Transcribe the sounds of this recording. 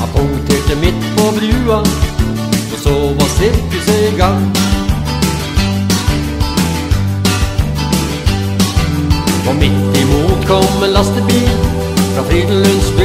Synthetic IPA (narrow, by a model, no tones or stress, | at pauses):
hɑ̰pʰɔt̪ʰeːʈəmɪt̪ːpʰɔbɾʉːɑn | ɔsoːʋɑsɪɾkəsɛɡɑŋ | pʰɔmɪt̪ːɪmuːt̪kʰɔmːɛnlɑst̪əbiːl | fɾɑfɾid̪̩lʉnsb